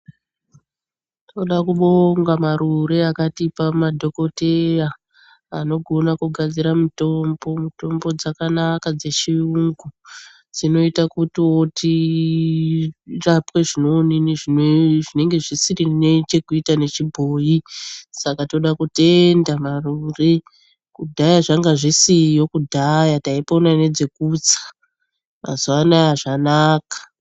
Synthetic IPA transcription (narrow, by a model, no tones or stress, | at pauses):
toɗakuɓoŋɡamaɾuɾe̞akatipamadʱo̞ko̞teraː | no̞ɡʱo̞nakuɡʱad͡ziɾamuto̞mbo̞muto̞mbo̞d͡zakanakad͡ze̞t͡ʃiuŋɡu | d͡zino̞itakutiwo̞tʰi | rapwe̞ʐino̞niniʐinʐine̞ŋɡe̞ʐisirinet͡ʃe̞kuitane̞t͡ʃibʱoːjisakato̞ɗakute̞ndamarure | kudʱajaʐaŋɡaʐisijo̞kudʱajataiponane̞d͡ze̞kut͡sḁ | ma̰zuwanaaʐanaːkḁ